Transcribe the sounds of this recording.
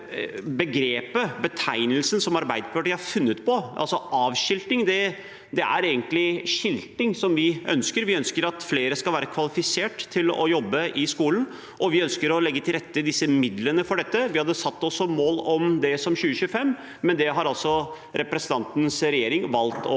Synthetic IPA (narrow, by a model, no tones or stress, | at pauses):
bəɡɾeːpəbət̪ʰæɪnəlsənsɔmɑɾbæɪd̪əpʰɑʈɪhɑɾfʉnːət̪pʰɔʔɑ̰lsɔʔɑːʋɕɪlt̪ɪŋd̪ɛ | d̪ɛʔæ̰ɾeːɡənt̪lɪɕɪlt̪ɪŋsɔmʋɪœ̰nskəɾʋɪœnskəɾɑt̪fleːɾəskɑlʋæːɾəkʰʋɑlɪfɪseːʈt̪ʰːɪlɔ̰jɔbːəʔɪskuːlən | ʔɔʋɪœnskəɾɔlɛɡːət̪ʰɪlɾɛt̪ːəd̪ɪsːəmɪd̪lənəfɔɖɛt̪ːəʋɪhɑd̪əsɑt̪ːɔsɔmoːlɔmd̪ɛsɔmɕʉːəɕʉːəfɛmː | ɛnd̪ɛɦɑɾɑlsɔ | ɾɛpɾɛsənɑnt̪nsɾɛjeːɾɪŋʋɑlt̪ɔ